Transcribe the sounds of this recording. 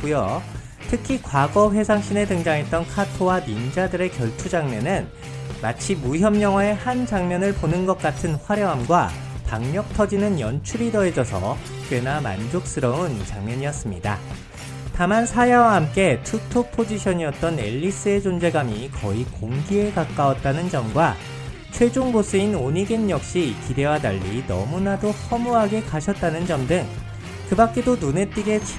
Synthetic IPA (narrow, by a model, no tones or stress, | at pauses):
ujo | tʰɯkʰikwaɡʌɸe̞sʰaŋɕ͈ine̞dɯŋd͡ʑaŋɦe̞t̚t͈ʌnkʰatʰowanind͡ʑadɯɾe̞kjʌɭtʰud͡ʑaŋmenɯn | mat͡ɕʰimuçjʌmɲʌŋwae̞hand͡ʑaŋmjʌnɯɭponɯnɡʌk̚k͈atʰɯnɸwaɾjʌɦamɡwa | paŋɲʌk̚tʰʌd͡ʑinɯnjʌnt͡ɕʰuɾidʌed͡ʑʌsʰʌ̰ | enama̰nd͡ʑok̚s͈ɯɾʌunt͡ɕaŋmʌɲiʌs͈ɯmɲida̰ | tamansʰajawaɦamk͈e̞tʰutʰopʰod͡ʑiɕʰʌɲiʌt̚t͈ʌne̞̰ʎːis͈ɯe̞d͡ʑond͡ʑe̞ɡamikʌikoŋɡie̞kak͈awʌt̚t͈anɯnd͡ʑʌmɡwa | t͡ɕʰwe̞d͡ʑoŋbos͈ɯinoɲiɡenjʌk̚ɕ͈ikide̞wada̰ʎːinʌmunadohʌmuɦaɡe̞kaɕʰʌt̚t͈anɯnd͡ʑʌmdɯŋ | kɯbak̚k͈e̞donune̞t͈iɡe̞